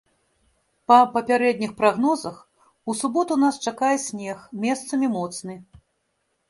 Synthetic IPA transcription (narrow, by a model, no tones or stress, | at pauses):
pɐpɐpʲaɾɛd̪ʲnʲixpɾaɣnɔzɐx | usubɔt̪unast͡ʂakajɛsʲnʲɛxmʲɛst̪sɐmʲimɔt̪snɨ